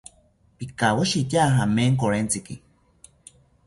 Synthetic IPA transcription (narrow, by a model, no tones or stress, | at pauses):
pikawaʃit̪jaɦameŋkoɾent͡siki